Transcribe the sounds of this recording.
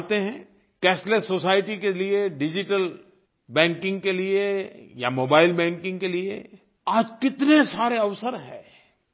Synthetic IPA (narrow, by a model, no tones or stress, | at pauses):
t̪eɦɛ̃ː | kɛːslesːoːsaːɪʈikelieɖɪd͡ʒɪʈəl | bɛ̃ːŋkɪ̃ŋɡ̚keliejamoːbaːɪlbɛ̃ːŋkɪ̃ŋɡkeliḛ | aːd͡ʒkɪt̪nesaːɾeɐʋsəɾɦɛ̰̃ː